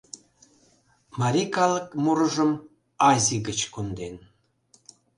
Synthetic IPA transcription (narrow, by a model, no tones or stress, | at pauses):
mɑɾʲikɑləkmuɾəʒəm | ɑzʲiɣət͡ɕkund̪en